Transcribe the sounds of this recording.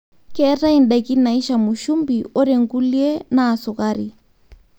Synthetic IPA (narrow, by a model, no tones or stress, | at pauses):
kɛɾainɗakinaiʃamuʃumbiʔɔɾɛŋɡuliɛnaːsukaɾi